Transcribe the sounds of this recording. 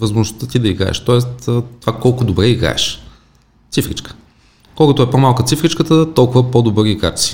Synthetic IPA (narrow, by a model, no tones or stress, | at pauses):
vəzmoʒnost̪ət̪id̪ɐiɡɾa̰ɛ̰ʃt̪ɔɛst̪ːt̪ːovakɔlˠkʊd̪obɾɛiɡɾa̰ɛ̰ʃ | t̪sifɾḭt͡ʃkə̥ | kolkot̪oɛpomalˠkət̪sifɾit͡ʃkət̪ət̪ɔlˠkʊvəpod̪obɤɾiːɡa̰ɾt̪si̥